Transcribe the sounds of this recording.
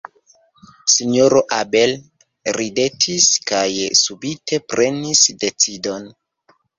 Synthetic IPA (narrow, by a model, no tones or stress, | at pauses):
sino̞ɾoʔabe̞l | ɾide̞tʰiskajsubitʰe̞pɾʔe̞nisde̞t͡sido̞n